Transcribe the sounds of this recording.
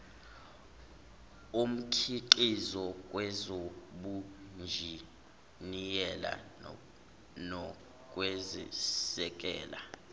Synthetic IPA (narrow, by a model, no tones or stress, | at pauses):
um̩kʰiǃizɔk̬ʼwɛzoɓund͡ʒʱi | nijɛla̰ | nɔ | k̬ʼwezisɛk̬ʼɛ̰ːla